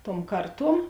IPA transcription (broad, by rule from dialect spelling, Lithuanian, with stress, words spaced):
tuɔm ˈkɐrˌtuɔm